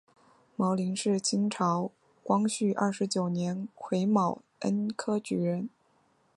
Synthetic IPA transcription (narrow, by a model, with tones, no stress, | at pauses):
mɤ˧˥li˧˥nʂɻ̩˥˩t͡ɕʰi˥ŋʈ͡ʂʰɑ˧˥ʊ | kwɑ˥ŋɕy˥˩ʔɐ̰˞˥˩ʂɻ̩˧˥t͡ɕjo˨˩ʊnjɛ˧˥nkʰwe˧˥ɪmɑ˨˩ʊ | ə̰˥nkʰɤ˥t͡ɕy˧˥ɻə˧˥n